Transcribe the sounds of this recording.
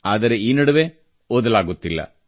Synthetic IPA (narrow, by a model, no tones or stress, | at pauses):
aːd̪ɐɾe̞iːnɐɽɐʋe | oːd̪ɐlaːɡut̪ːilːɐ̰